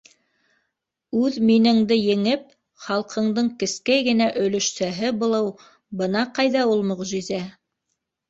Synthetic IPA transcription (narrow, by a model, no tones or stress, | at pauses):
ʉðminɘ̆ŋd̪ɘjɘ̆ŋɘp̚ | χɑlˠqʰɤ̆ɴd̪ɤɴkɘ̆skæjɡɘ̆næʔɵ̆lɵ̆ʃsæɦɘbŏlˠɤw | bɤnɑqɑjðɑulˠmɵ̆ʁʒizæ